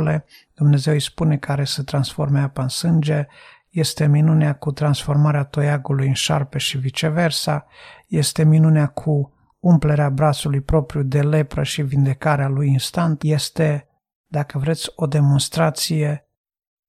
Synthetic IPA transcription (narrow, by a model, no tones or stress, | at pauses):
le̞ | d̪̥umne̞ze̞wispune̞kaɾe̞sət̪ɾansfo̞rmeapaɨnsɨnd͡ʒe̞ | je̞st̪e̞minuneakut̪ɾansfo̞rmaɾeat̪o̞jaɡulujɨnʃa̰rpe̞ʃivit͡ʃe̞ve̞rsaje̞st̪e̞minuneakʰu | umple̞ɾeabɾat̪sulujpɾo̞pɾjud̪e̞le̞pɾəʃivind̪e̞kaɾealujinst̪ant̪je̞st̪e̞ | d̪akəvɾe̞t̪sʲo̞d̪e̞mo̞nst̪ɾat̪sije̞